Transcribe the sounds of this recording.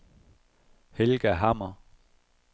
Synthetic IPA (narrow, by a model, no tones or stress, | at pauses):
helɡ̥æɦɑmɐ